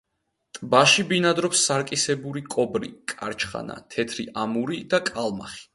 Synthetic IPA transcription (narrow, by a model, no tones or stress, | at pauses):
t̪ʼbaʃibinad̪ɾɔpsːaɾkʼisɛbuɾikʼɔbɾḭkʼaɾt͡ʃʰχa̰na̰t̪ʰɛt̪ʰɾḭʔamuɾid̪akʼalˠma̰χi̥